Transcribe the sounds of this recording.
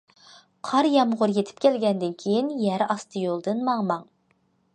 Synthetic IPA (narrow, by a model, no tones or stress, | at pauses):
qʰɑɾjɑmʁʊɾjet̪ʰɪ̥p̚kʲʰɛlɡʲɛnd̪ɪnkʲʰejinjæɾɑst̪ʰɨjolˠd̪ɨnmɑŋmɑŋ